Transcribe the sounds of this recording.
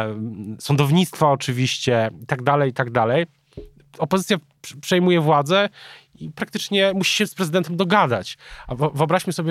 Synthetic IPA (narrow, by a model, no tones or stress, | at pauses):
sɔnd̪ɔvɲit̪st̪faɔt͡ʂɘvʲiɕt͡ɕɛit̪aɡd̪alɛjit̪aɡd̪alɛj | ɔpɔzɘt̪ʲja | pʂɛjmujɛvwad̪zɛ | ipɾak̚t̪ɘt͡ʂɲɛmuɕi̥ɕɛspɾɛzɘd̪ɛnt̪ɛmd̪ɔɡad̪a̰t͡ɕavɨɔbɾaɕmɘsɔbʲ